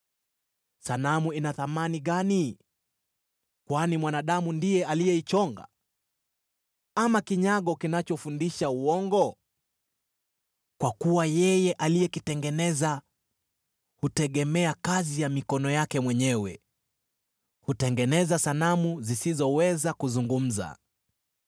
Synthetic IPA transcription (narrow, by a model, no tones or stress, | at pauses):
sanamuinaθamaniɠani | kwanimwanaɗamundijɛalijɛit͡ʃɔŋɡa̰ | amakiɲaɠɔkinat͡ʃɔfundiʃauɔŋɡɔ | kwakuwajɛjɛʔalijɛkitɛŋɡɛnɛza | hutɛɠɛmɛakazijamikɔnɔjakɛmwɛɲɛwɛ̰ | hutɛŋɡɛnɛzasanamuzisizɔwɛzakuzuŋɡum̩za̰